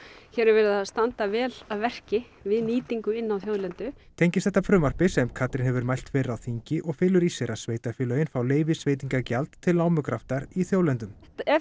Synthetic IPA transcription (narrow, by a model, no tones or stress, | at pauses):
çɛːɾɪɾvɛːɾɪðast̪ant̪avɛːlaðvɛr̥cɪ | vɪðniːt̪iŋkʏɪnːawθjoːwðlɛnt̪ʏt̪ʰejɲcɪstθɛt̪ːafɾʏːmar̥pɪsɛmkʰat̪ɾɪnhɛvʏɾmajl̥t̪fɛːɾɪɾawθiɲcɪʔɔɣfɪːlʏɾisɛɾasveːjt̪afɪːlœɪnfawleːjvɪsveːjt̪iŋkacalt̪ʰːɪlnaːwmʏkʰɾaft̪aɾiθjowlɛnt̪ʏm